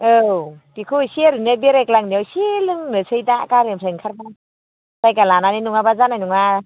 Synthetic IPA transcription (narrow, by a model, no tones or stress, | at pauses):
ɯpikʰɯsiaɾɯnɯbeɾeklaŋniawsilɯŋnɯsʰɯjdakaɾemseŋkʰaɾma | z̥ajkalananinuŋabazanajnuŋa